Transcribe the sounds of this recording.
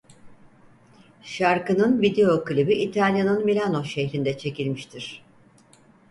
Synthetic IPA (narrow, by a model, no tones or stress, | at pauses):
ʃaɾkɯnɯnvid̪eo̞kɯlʲibiʔːt̪ʰalʲjanɯnmilʲanoʃɛçɾind̪ɛt͡ʃʰe̞cilʲmiʃt̪ʰiɾ̥